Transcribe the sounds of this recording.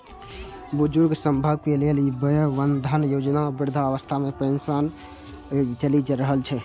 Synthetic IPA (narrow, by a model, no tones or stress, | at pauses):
bud͡ʒuɾɡsəmbʱəb̚kelelibəjəʋənd̪ʱənjod͡ʒnabiɾd̪ʱaəʋəst̪ʰamepɾəinsan | t͡ʃəlid͡ʒɾəɦəlt͡ʃʰɛ